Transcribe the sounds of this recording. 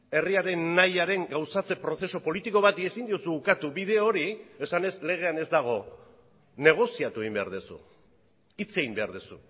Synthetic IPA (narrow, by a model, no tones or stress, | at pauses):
e̞riaɾe̞nːajaɾe̞ŋɡawsat͡se̞pɾo̞θe̞so̞po̞lit̪iko̞βat̪iesind̪iusuukat̪uβiðe̞o̞ɾie̞sane̞sle̞ɣ̞e̞ane̞zd̪aɣ̞o̞ | ne̞ɣ̞o̞siat̪ue̞ɣimbea̰ɾðesṵ | it͡se̞ɣimbe̞aɾðesṵ